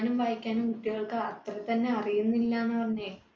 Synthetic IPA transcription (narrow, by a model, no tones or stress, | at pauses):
numʋaːjikʲːaːnumkuʈːiɣɐɭkɨɐt̪rɐt̪ɐnːe̞ɐrijunːilːaːnːɨpɐrɐɲːe̞